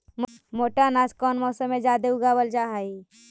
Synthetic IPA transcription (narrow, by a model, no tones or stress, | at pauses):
mmoːʈanaːskɔːnmɔːsəmːed͡ʒaːd̪euɡabəld͡ʒaɦai